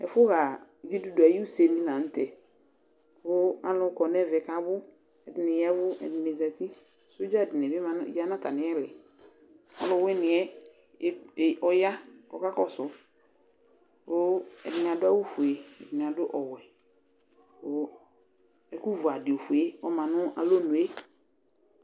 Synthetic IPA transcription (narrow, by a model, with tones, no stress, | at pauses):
ɛ˨fʊ˦ɣa˨ɡi˦du˦du˨a˨ji˦u˦se˨nĩ˦nã˨n̩˦tɛ˨ | ʊ˦a˦lʊ˨˦kɔ˨n˦ɛ˦˨vɛ˨ka˨bʊ˦ | ɛ˨dɪ˨nɪ˨jɛ˦βʊ˦ɛ̰˨dɪ˨ne˨za˨ki˦˨ | sʊ˦d͡ʒa˦ɛ˨dɪ˨n˨ɛ˨bɪ˦a˦˨ja˦na˦ta˨nɪ˨˦ɛ˦lɪ˨ | a̰˦lʊ˨wɛ˦nɪ˨ɛ˦˨ | ɔ˦ja˦ɔ̰˨ka˦kɔ˦sʊ˨ | ʊ˦ɛ̰˨dɪ˨n˨a˨dʊ˦a˦wʊ˦fu˨e˨ɛ˨dɪ˨nɪ˨a˨dʊ˦ʔɔ˨wɛ˨ | ʊ˨˦ | ɛ˨ku˦vu˨a˨dɪ˨o˨fu˨e˦ɔ˦mã˨nʊ˦ʔa̰˨lo˦nʊ̃˨e˦